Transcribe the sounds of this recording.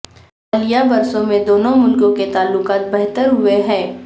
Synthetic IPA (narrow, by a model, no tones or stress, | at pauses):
ɐlijabɐɾsõmẽd̪oːnõmʊlkõket̪aːlːʊqaːt̪̚bɛɦt̪əɾɦʊeɦɛ̃ː